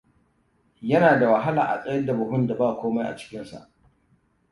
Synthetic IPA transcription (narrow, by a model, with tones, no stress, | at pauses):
jɐ˦naː˨da˨wɐ˨ɦa˦laː˨ʔa̰˨sʼɐ˦ɐ˦da˨bʊ˨ɦʊ˦nda˨baː˦˨kʷoː˦ma˦jʔa̰˨t͡ʃɪ̥˦kʲɪ˦nsa̰˨ʔ